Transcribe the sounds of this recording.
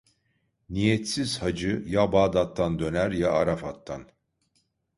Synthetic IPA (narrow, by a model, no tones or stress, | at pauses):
nijɛt̪siz̥had͡ʒɯjabaːd̪at̪ʰːand̪ø̞næɾjaːɾafat̪ʰːan